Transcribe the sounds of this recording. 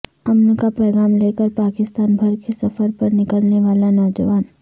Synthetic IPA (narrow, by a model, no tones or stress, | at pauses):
ɐmnkapɛːɡaːmleːkəɾpaːkɪst̪aːnbʱɐɾkesɐfəɾpɐɾnɪkəlneʋaːlanɔːd͡ʒəʋaːn